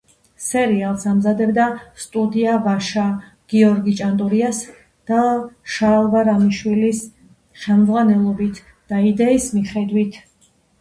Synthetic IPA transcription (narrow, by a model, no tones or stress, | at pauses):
sɛɾialˠsamzad̪ɛbd̪ast̪ʼud̪iavaʃa | ɡ̥iɔɾɡit͡ʃʼant̪ʼuɾias | d̪̥aʃalˠvaɾamiʃwilis | χɛlmd̪zʁwanɛlˠɔbit̪ʰ | d̪̥aid̪ɛismiχɛd̪wit̪ʰ